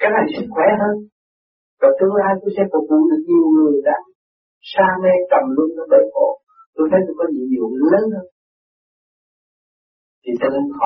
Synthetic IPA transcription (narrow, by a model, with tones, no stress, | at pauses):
kaː˦˥jk̚na˨˩jsi˧˦˥xwɛ˧˨˦ɦəː˧n | vaː˨˩t̪ɨ˧ə˧aː˧jt̪o˧jsɛ̰˧˥kɔ˨˩kṵ˧˨˦ɗɨ˨˩ək̚ɲi˨˩əwŋɨ˨˩əjɗa̰ː˧˥ŋ | saː˧mɛ˧kə˨˩mlu˧ənɗa˧˦ɓə˧˨˩jɓo̰˧˨ | t̪o˧jt̪ʰə˨˦jt̪o˧˩kɔ˨˦zḭ˧˨ɲḭ˨ləː˨˦nhəː˧n | t̪ʰi˨˩t̪ɨ˧˩˧h